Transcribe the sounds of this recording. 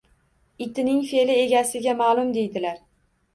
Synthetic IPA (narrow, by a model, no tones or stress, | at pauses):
ɪt̪ʰɪnɪŋfe̞lɪe̞ɡʲasɪɡʲamaːlˠʊmd̪e̞jd̪ɪlaɾ